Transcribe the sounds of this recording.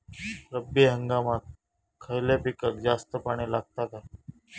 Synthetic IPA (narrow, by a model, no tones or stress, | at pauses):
ɾəbeɦəŋɡamat̪̚ | kʰəjlapikəkd͡zast̪əpaɽ̃elaɡ̚t̪at̪a